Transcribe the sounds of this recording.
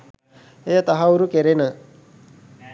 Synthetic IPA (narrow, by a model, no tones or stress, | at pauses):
ejat̪ɐɦauɾukeɾenə